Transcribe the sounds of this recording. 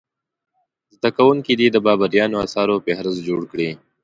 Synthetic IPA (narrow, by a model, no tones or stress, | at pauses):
zd̪akawuŋkid̪id̪əbɑːbaɾjɑːnoasɑːɾopehɾɪzd͡ʒoɽkɽi